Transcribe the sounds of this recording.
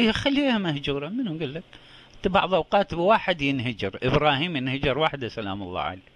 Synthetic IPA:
xalːihamahd͡ʒuːɾˤɑmɪnuɡɪlːak | ɪt̪abɑ̰ʕðˤʔɑwqɑːt̪waːħɪd̪jɪnɦad͡ʒɪɾʔɪbɾˤɑːhiːmjɪnhad͡ʒɑɾˤwaːħd̪asala̰ːmʊlˤːɑ̰ːʕa̰leː

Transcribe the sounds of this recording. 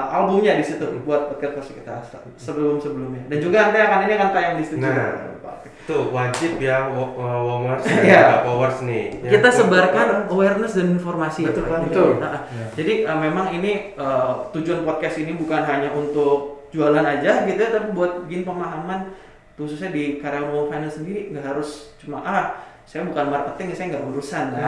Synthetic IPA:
ʔalbumɲadisit̪ubuat̪̚pɔd̚kɛt̪̚masi̥kit̪asa | səbəlʊmsəbəlʊmɲadand͡ʒuɡaant̪aakaniniakankajaŋdist̪iṵpa̰kɛt̪uwad͡ʒɪpjaəwomərsijaafowərsnikit̪asəbarkanowɛrnəsdaninformasiəaəʊt̪aʔa | d͡ʒadiʔəmemaŋiniət̪ud͡ʒuanpɔt̪̚kɛst̪inibukanɦaɲaʔunt̪ʊk̚d͡ʒualanad͡ʒaɡit̪uat̪ap̬ibuat̪̚bəɡɪnpəmaɦaman | t̪us̬usɲadikaɾanwɔfajnalsəndiɾiŋɡaʔɦaɾʊst͡ʃumaʔah | sajabukanmarpət̪ɪŋasajaŋɡaʔbudusana

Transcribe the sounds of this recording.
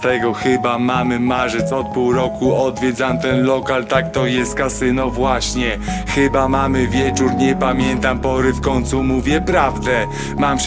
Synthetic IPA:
t̪ɛɡɔxɘbamamɘmaʐɘt̪sɔt̪̚puwɾɔkuɔd̪vʲjɛd̪zamt̪ɛnlɔkalt̪ak̚t̪ɔjɛst̪̚kasɘnɔvwaɕɲɛ | xɘbamamɘvʲjɛt͡ʂuɾɲɛpamʲjɛnt̪ampɔɾɘfkɔɲt̪sumuvʲjɛpɾavd̪ɛ | mam

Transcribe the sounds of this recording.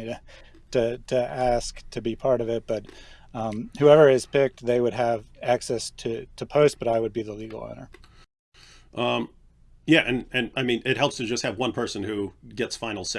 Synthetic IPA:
ɾɨ | tɨɾɨæsktʰɨbipʰɑɹɾʌvɪt̚b̥ʌt̚ | ʌ̃mhʉɛvə˞ɪz̥pɪk̚t̪̚ðeɪwɨdɨvæksɛstʰɨɾʰɨpʰoʊst̚b̥ʌɾaɪwɨd̚biðəliɡl̩ˠo̰ʊ̃nə̰˞ | ʔʌ̃ | jæʔɨ̃nɨ̃naɪmĩnɨt̚hɛlˠpstʰɨd͡ʒʌst̚hɨvwʌ̃npʰɜ˞sɨ̃nhʉɡɛtsfãɪ̃nl̩ˠs

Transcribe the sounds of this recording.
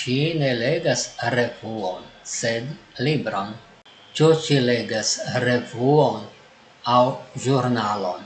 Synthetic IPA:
ʃine̞le̞ɡasɾe̞vuonse̞d̪libɾon | t͡ʃut͡ʃile̞ɡasɾe̞vuon | awʒuɾnalo̞̰n

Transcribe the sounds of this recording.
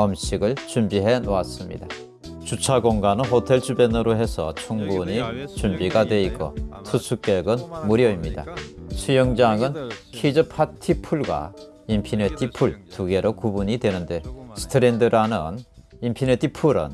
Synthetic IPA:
ʌmɕʰiɡɯɭt͡ɕumbiɦe̞noas͈ɯmɲḭda | t͡ɕut͡ɕʰaɡoŋɡanɯnɦotʰe̞ɭt͡ɕubenɯɾoɦe̞sʰʌ̰t͡ɕʰuŋbuɲit͡ɕumbiɡadwe̞ik͈o̰tʰusʰuk͈e̞ɡɯnmuɾjʌimɲid̥a̰sʰujʌŋd͡ʑaŋɯnkʰed͡ʑɯpʰatʰipʰuɭɡwa̰ | impʰinetʰipʰuɭtuɡe̞ɾokubuɲidwe̞nɯnde̞sʰɯ̥tʰɯɾendɯɾanɯn | impʰinetʰipʰuɾɯ̰n

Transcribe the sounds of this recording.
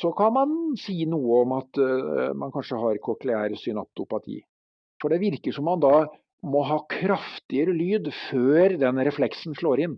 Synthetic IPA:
sɔkʰɑnmɑnsiːnuːəɔmɑt̪mɑnkʰɑnʂəɦɑɾkʰɔklɛæːɾsʏnɑ̰p̚t̪ʊpɑt̪ʰḭː | fɔɖɛʋɪɾkəʂɔmːɑnd̪ɑ | mɔɦɑːkʰɾɑft̪ɪəɾəlyːd̪føːɾd̪ɛnɾɛflɛksn̩ʂɭoːɾɪnː

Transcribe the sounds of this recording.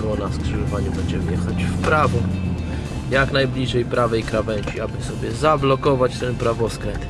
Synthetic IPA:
ɡɔnaskʂɛʐɔvaɲubɛɲd͡ʑɛmɘjɛxat͡ɕfpɾavɔ | jaknajblʲiʐɛjpɾavɛjkɾavɛɲt͡ɕiabɘsɔbʲjɛzablɔkɔvat͡ɕt̪ɛnpɾavɔskɾɛnt̪

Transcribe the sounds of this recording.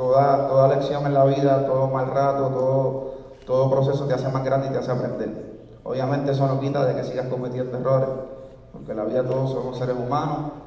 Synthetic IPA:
t̪o̞ðat̪o̞ðale̞ksjo̞ŋenlaβiðat̪o̞ðomalrat̪ot̪o̞ðo | t̪o̞ðopɾo̞s̬e̞sot̪asemaɦɡɾand̪it̪easeapɾẽ̞nd̪e̞l | o̰βjamẽnt̪e̞es̬ono̞kit̪aðe̞ke̞siɣahko̞met̪jend̪ero̞ɾe | po̞̰ke̞laβiðat̪o̞ðosonose̞ɾe̞sumãnoh

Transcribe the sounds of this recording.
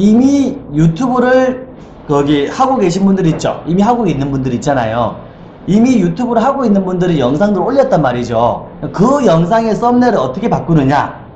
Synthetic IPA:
imijutʰubɯɾɯɭ | kʌɡihaɡoɡe̞ɕʰinbundɯɾit̚t͡ɕ͈o̰imiɦaɡoɡeinːɯnbundɯɾit̚t͡ɕ͈ana̰jo̰ | imijutʰubɯɾɯɭhaɡoinːɯnbundɯɾinjʌŋsʰaŋdɯɾooʎːʌt̚t͈anmaɾid͡ʑo̰ | kɯjʌŋs̬ʰaŋe̞s͈ʌmneɾɯɾʌt͈ʰʌkʰe̞pak͈̚unɯɲa̰

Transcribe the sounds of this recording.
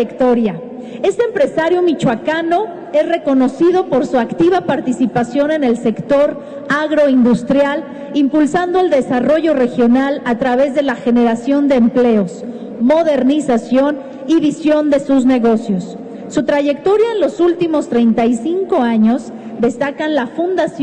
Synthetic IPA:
ekt̪oɾja | e̞st̪eːmpɾe̞saɾjo̞mit͡ʃwakano̞ | e̞zre̞ko̞no̞siðo̞po̞ɾsuakt̪iβapaɾt̪isipasjo̞nẽ̞ne̞lse̞kt̪o̞ɾ | aɣɾo̞ind̪ust̪ɾjal | impulsand̪oeld̪e̞saro̞ʝo̞re̞xjonalat̪ɾaβe̞zðe̞laxe̞ne̞ɾasjo̞nd̪e̞ːmple̞o̞s | mo̞ðe̞ɾnisasjo̞n | iβisjo̞nd̪e̞suzne̞ɣo̞sjo̞sː | ut̪ɾaʝe̞kt̪o̞ɾjaenlo̞sult̪imo̞st̪ɾejnt̪ajsiŋko̞aɲo̞z | d̪e̞st̪akanlafund̪as

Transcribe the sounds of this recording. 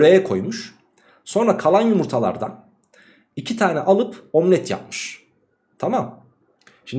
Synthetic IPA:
ɾejɛkʰo̞̰jmuʃ | so̞nɾakʰalˠanjumuɾt̪ʰalˠa̰ɾd̪a̰n | icʰit̪ʰaːnɛʔalˠɯpomnʲɛt̪ʰja̰p̚mɯ̥ʃ | t̪ʰamam | ʃin

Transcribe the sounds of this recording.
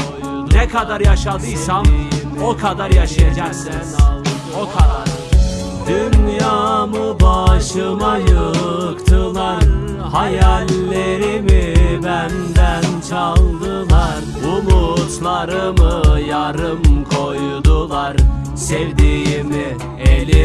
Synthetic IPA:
nɛkʰad̪aɾjaʃad̪ɯjsan | okʰad̪aɾjaʃajad͡ʒaksɛnn | okʰad̪aɾ | d̪ynjaːmɯbaʃɯmajɯkt̪ʰɯlˠaɾ | hajælʲːeɾimibænd̪ænt͡ʃʰalˠd̪ɯlˠaɾ | umut̪lˠaɾɯmɯjaɾɯmkʰo̞jd̪ulˠaɾ | sɛvd̪ijimɪ | eli

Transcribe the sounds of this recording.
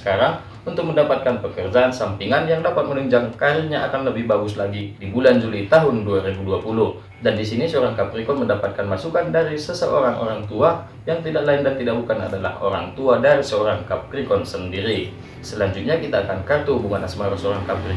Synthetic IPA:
ə̥kaɾaŋ | unt̪ʊk̚məndapat̪̚kanpəkərd͡ʒaansampiŋanjaŋdapat̪̚mənuɲd͡ʒaŋkaɾirɲaʔakanləbɪhbaɡʊslaɡidibuland͡ʒulit̪aɦʊnduaɾibuduapulʊh | dandisinisəoɾaŋkapɾikɔnməndapat̪̚kanmasukandaɾisəsəʔo̰ɾaŋʔo̰ɾaŋt̪ua | jaŋt̪idaʔlaɪndant̪idaʔ̚bukana̰dala̰ho̰ɾa̰ŋt̪uadaɾisəoɾaŋkap̚ɾikɔnsəndiɾi | səlaɲd͡ʒʊt̪̚ɲakit̪aːkankart̪ubuŋanasmaɾusoɾaŋkapɾi

